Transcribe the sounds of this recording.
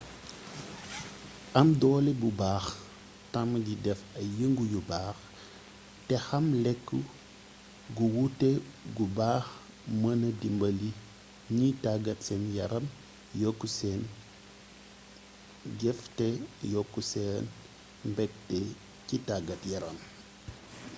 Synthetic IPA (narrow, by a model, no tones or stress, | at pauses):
ɐmdɔːlibubaːx | tɐmɟidɛfɐjəŋɡujubaːx | tɛxɐmlɛkːu | ɡuwutɛɡubaːx | mɐnɐdimbɐli | ɲitaɡɐtsɛnjɐɾɐm | jɔkːusɛːn | ɟɛftɛjɔkːusɛːn | mbɛk̚tɛ | citaɡɐtjɐɾɐm